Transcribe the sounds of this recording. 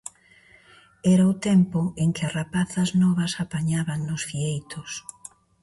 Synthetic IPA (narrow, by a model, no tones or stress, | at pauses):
ɛɾaʊt̪ɛmpʊeŋkɪɐsrapaθɐznɔβɐsapaɲaβaŋnʊsfiejt̪ʊs